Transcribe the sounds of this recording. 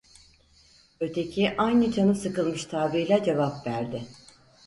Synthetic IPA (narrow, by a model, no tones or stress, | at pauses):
øt̪ʰe̞cʰiʔajnɯt͡ʃʰanɯsɯkɯlˠmɯʃt̪ʰaːbilʲɛd͡ʒe̞vapvæɾd̪ɪ